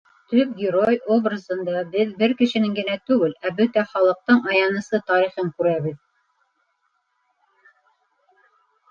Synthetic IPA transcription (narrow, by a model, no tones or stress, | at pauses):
t̪ɵp̚ɡʲɪɾojobrəzɤ̆nd̪ɑbɘðbɘɾkɘ̆ʃɘ̆nɘŋɡɘ̆næt̪ʉɡɘlæbɵt̪æχɑlˠɤ̆q̚t̪ɤɴɑjɑnɤ̆sɤt̪ɑɾiχɤŋkʉɾæβɘð